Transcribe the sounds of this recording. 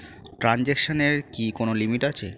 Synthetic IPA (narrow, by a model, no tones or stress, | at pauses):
ʈɾand͡ʑekʃoneɾkikonolimiʈat͡ɕʰe